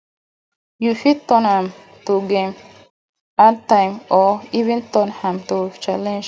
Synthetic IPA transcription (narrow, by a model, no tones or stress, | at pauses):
jufit̪ːɔnam | t̪uɡem | at̪ːajmɔivĩnt̪ɔnhamt̪ot͡ʃalẽnd͡ʒ